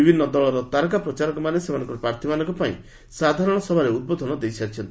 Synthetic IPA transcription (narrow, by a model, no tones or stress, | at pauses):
ibʱinːɔd̪ɔɭɔɾɔt̪aɾk̬apɾɔt͡ʃaɾɔŋkɔmanesemanɔ̃ŋkɔɾɔpɾaɾt̪ʰimanɔŋkɔpaḭ̃ | sad̪ʱaɾɔɽ̃ɔsɔbʱaɾeud̪̚bɔd̪ʱɔnɔd̪ejsʰaɾt͡ʃʰɔnt̪i